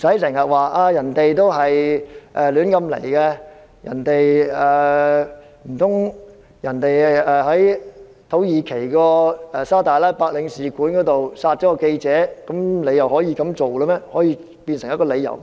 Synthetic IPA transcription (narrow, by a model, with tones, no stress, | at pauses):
m˨˩sɐ˨˥jsɪ˨˩ŋjɐ˨t̚waː˨˩ʔaː˧jɐ˨˩nt̪e˨jt̪o˥wɦɐ˨jʔɛː˨lyː˨˥nkɐ˧mlḛ˨˩jkɛ˧ | jʔɐ̰˨˩nt̪e˨jɛː˨ | m̩˨˩t̪ʰʊ˥ŋ | jɐ˨˩nt̪e˨jɛː˨ɦɐ˨˥j | t̪ʰo˨˥wjiː˨˧kʰe˨˩jkɔː˧ɛ˨saː˥t̪aː˨jlaː˥jpaː˧k̚lɪ˨˧ŋsiː˨kuː˨˥nkɔː˨˥t̪o˨wsaː˧t̚t͡ʃɔː˨˥kɔː˧ke˧jt͡sɛː˨˥kɐ˨˥mle˨˧jɐ˨whɔː˨˥jiː˧kɐ˨˧˥mt͡so˨wɛ˧˥mɛː˥hɔː˨˥jiː˧ | piː˧nsɪ˨˩ŋjɐ˥t̚kɔː˧le˨˧jɐ̰˨˩w